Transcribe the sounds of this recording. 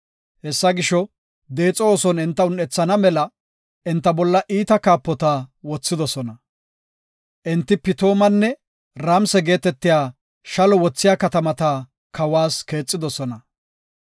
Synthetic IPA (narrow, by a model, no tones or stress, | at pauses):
hɛsːɐɡɪʃɔ | d̪e̞ːt͡sʼɔoːsɔnɪnt̪ːɐʊnɛt͡sːɐnɐmɛlɐ | ʔɛnt̪ːɐbɔlːɐʔiːt̪ɐkaːpːɔt̪awɔt͡sːɪd̪ɔsɔnɐ | ʔɪnt̪ːɪpɪt̪o̞ːmɐnːɛ | ɾamsɛɡe̞ːt̪ɛt̪ːɪjaː | ʃɐlɔwɔt͡sːɪjaːkɐt̪ɐmɐt̪a | kʰɐwaːske̞ːt͡sʼːɪd̪ɔsɔnɐ